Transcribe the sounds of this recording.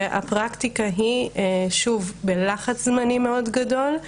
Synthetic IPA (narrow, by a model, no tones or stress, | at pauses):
ʔa̰pʁakt̪ikaɦiʃuvbelaχat͡szmanime̞o̞dɡado̞l